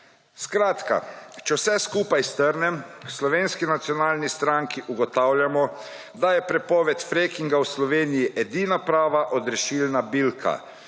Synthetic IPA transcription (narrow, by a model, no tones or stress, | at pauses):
skɾaːt̪ka̰t͡ʃɛwsɛskuːpajst̪əɾnɛmslɔʋeːnskinat̪siɔnaːlnist̪ɾaŋkiʔuɡɔt̪awljamɔ | d̪ajɛpɾɛpɔːʋɛt̪fɾekiŋɡawslɔʋeːnijiʔɛd̪iːnapɾaːʋaʔɔd̪ɾɛʃilnabilkʰa̰